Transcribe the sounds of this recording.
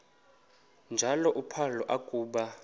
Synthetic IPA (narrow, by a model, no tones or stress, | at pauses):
nd͡ʒʱalɔʔupʰalɔʔakʼuːɓa